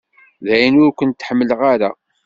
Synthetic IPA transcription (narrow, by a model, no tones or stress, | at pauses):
ðæjənʊɾkʷənt̪ːħəmːələʁaɾa̰